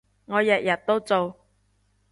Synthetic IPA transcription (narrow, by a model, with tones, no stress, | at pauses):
ŋɔː˨˧jɐ˨k̚jɐ˨˩t̚t̪o˥wt͡so˨w